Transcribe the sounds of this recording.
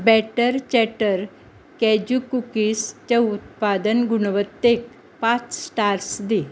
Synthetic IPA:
bɛʈəɾt͡ɕɛʈəɾ | kɛd͡ʑukukiːst͡ɕaut̪̚pad̪ənɡuɳʋət̪ːek̚ | pãt͡ssʈaɾsd̪i

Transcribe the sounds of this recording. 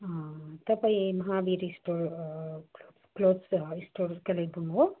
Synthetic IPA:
at̪ɐpɐimɐɦaːʋiɾisʈoːɾ | kloːsisʈoːɾkɐleʈ̚bʱuŋɡo

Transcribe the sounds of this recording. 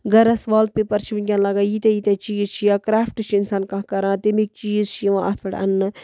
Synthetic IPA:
ɡɐɾɐsʋaːl̚pepɐɾt͡ʃʰiʋiɡʲãnlɐɡaːjit̪ejit̪et͡ʃiːzt͡ʃʰijaːkɾaːfʰʈɨt͡ʃʰiinsaːnkãkɐɾãːt̪emik̚t͡ʃiːzt͡ʃʰiʋãʔɐ̰t̪ʰbɐʈɐ̰nːɨ

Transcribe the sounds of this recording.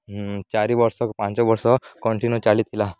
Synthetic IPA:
t͡ɕaɾiʋəɾsɔkpãɲt͡ɕɔʋəɾsɔkɔɳʈinut͡ɕalit̪ʰila

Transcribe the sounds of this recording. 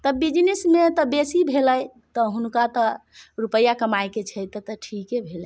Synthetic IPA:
t̪əbid͡ʒnesmet̪ɔbesibʱeləj | t̪ɔɦunkat̪əɾupəjːakəmajket͡ʃʰɛjt̪ɔt̪əʈʰikebʱelə

